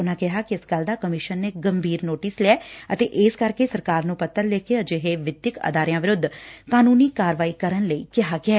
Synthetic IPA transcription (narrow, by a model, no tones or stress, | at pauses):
ʊnãːkɪɦaːkɪɪsɡəld̪aːkəmɪʃənːeːɡəmbʱiːɾnoːʈɪslɛːət̪eːʔɪskəɾkeːsəɾkaːɾnũːpət̪ːəɾlɛːkeːəd͡ʒeɦeːʋɪd̪jɪkə̰d̪aːɾɪjãːʋɪɾʊd̪ʱːkaːnuːniːkaːɾʋaːiːkəɾənləḭːkɪɦaːɡɪaː